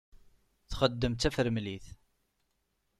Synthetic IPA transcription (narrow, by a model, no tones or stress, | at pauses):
θχəd̪ːəmt̪æfəɾmliθ